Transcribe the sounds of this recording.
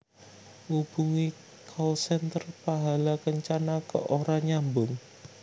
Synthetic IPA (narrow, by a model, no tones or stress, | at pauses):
ʔub̥ṳŋi | kʰɔlsɛnt̪ərpaɦalakəɲt͡ʃanakə̰ʔoɾaɲambʊŋ